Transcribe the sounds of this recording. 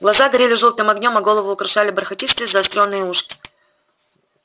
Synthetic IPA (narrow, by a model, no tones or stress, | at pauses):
ɡlˠɐzaɡɐɾʲelʲɪʐolˠt̪ɨmɐɡnʲo̞mɐɡo̞lˠəvʊːkɾɐʂalʲɪbɾɐxɐtʲist̪ʲɪzɐːst̪ɾʲo̞nːɨjəuʂkʲɪ̥